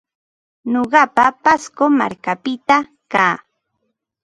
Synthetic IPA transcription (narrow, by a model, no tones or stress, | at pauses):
noɢɑpapaskoma̰ɾkapɪt̪a | kaː